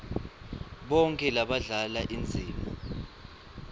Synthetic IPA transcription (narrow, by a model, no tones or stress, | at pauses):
ɓɔŋkʼɛlaɓaɮalaʔind͡zʱiːmu